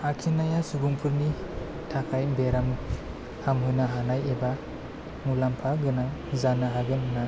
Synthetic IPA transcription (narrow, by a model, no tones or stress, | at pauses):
akʰinajasubuŋpʰɯɾni | tʰakʰajbeɾam | hamɦɯnaɦanajeba | mulampʰaɡɯnazanaɦaɡɯnɯna